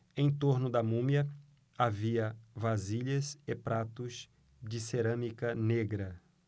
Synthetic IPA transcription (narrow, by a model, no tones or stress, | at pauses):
ẽj̃t̪oɾnʊd̪ɐmũmjɐ | aviɐvaziʎɐzɪpɾʔat̪ʊz | d͡ʒɪseɾɐ̃mikɐneɡɾɐ